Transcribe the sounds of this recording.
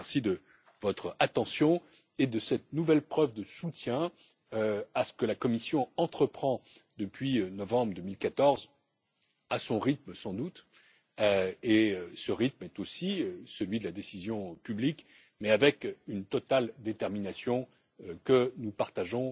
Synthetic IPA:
ɛʁsid̪ə | vɔt̪χat̪ɑ̃sjɔ̃ | ed̪əsɛt̪nuvɛlpχœvd̪əsut̪jɛ̃ | asə̥kəlakɔmisjɔ̃ɑ̃t̪χəpχɑ̃d̪əpɥiønɔvɑ̃bʁəd̪əmilkat̪ɔʁz | asɔ̃ʁit̪̚məsɑ̃d̪ut̪ | eøsəʁit̪̚mɛt̪osiøsəlɥid̪əlad̪esizjɔ̃pyblik | mɛavɛkynt̪ɔt̪ald̪et̪ɛʁminasjɔ̃ | kənupaʁt̪aʒɔ̃

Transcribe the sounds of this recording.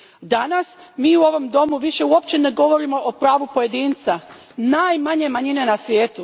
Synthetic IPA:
d̪anasmiːuo̞ʋo̞md̪o̞muʋiʃe̞uo̞pt͡ɕe̞neɡo̞ʋo̞ɾimo̞ʔopɾaːʋupo̞je̞d̪iːnt̪sa | naːjmaɲe̞maɲine̞nasʋʲjeːt̪u

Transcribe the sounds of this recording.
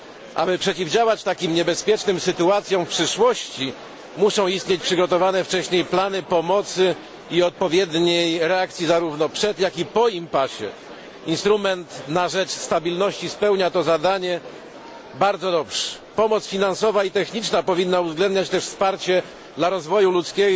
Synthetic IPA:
ʔa̰bɘpʂɛt͡ɕivd͡ʑawat͡ɕt̪akʲimɲɛbɛspʲjɛt͡ʂnɘmsɘt̪uat̪sʲjɔ̃w̃fpʂɘʂwɔɕt͡ɕi | muʂɔ̃w̃ist̪̚ɲet͡ɕpʂɘɡɔt̪ɔvanɛft͡ʂɛɕɲejplanɘpɔmɔt̪sɘ | iɔt̪̚pɔvʲjɛd̪ɲejɾɛak̚t̪sʲjizaɾuvnɔpʂɛd̪jakipɔimpaɕɛ̰ | inst̪ɾumɛnt̪naʐɛt͡ʂst̪abʲilnɔɕt͡ɕispɛwɲat̪ɔzad̪aɲɛ | baɾd̪zɔd̪ɔpʂɛ̥pɔmɔt̪sfʲinansɔvait̪ɛxɲit͡ʂnapɔvʲinːauvzɡlɛnd̪ɲat͡ɕt̪ɛʂfspaɾt͡ɕɛ | d̪laɾɔzvɔjulut̪skʲɛ

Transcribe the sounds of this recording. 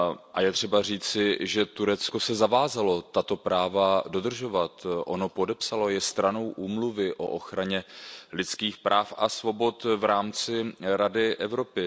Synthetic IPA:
ʔajɛt̪r̝̥ɛbar̝iːt͡sɪʒɛt̪uɾɛt͡sko̞sɛzavaːzalo̞t̪at̪o̞pɾaːvado̞d̪r̩ʒo̞vat̪ʔo̞no̞po̞dɛpsalo̞jɛst̪ɾano̞wʔuːmluvɪʔo̞ʔo̞xɾaɲɛlɪt͡skiːxpɾʔaːfasvo̞bo̞t̪vɾaːmt͡sɪɾadɪʔɛvɾo̞pɪ

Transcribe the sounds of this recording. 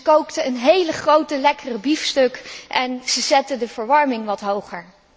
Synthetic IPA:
kowktəənɦejləχrowtəlɛkərəbifstɵkʔɛnz̥əzɛtədəv̥əɹʋɑɹmɪŋʋɑtɦowχəɹ

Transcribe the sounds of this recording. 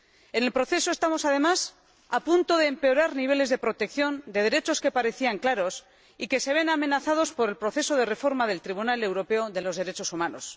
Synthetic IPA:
e̞ne̞lpɾo̞θe̞so̞e̞st̪amo̞sað̞e̞mas | apunt̪o̞ðeːmpe̞o̞ɾaɾniβ̞e̞le̞zðe̞pɾo̞t̪e̞kθjo̞nd̪eðe̞ɾe̞t͡ʃo̞ske̞paɾe̞θiaŋklaɾo̞s | ike̞se̞β̞e̞name̞naθað̞o̞spo̞ɾe̞lpɾo̞θe̞so̞ð̞e̞re̞fo̞ɾmaðe̞lt̪ɾiβunale̞wɾo̞pe̞o̞ðe̞lo̞zð̞e̞ɾe̞t͡ʃo̞sumano̞s

